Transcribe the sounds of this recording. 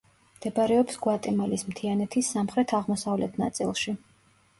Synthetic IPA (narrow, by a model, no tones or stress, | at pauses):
md̪̥ɛbɾɛɔpsɡwat̪ʼɛmalismt̪ʰianɛt̪ʰisːamχɾɛt̪ʰaʁmɔsavlɛt̪ʰna̰t̪sʼilˠʃi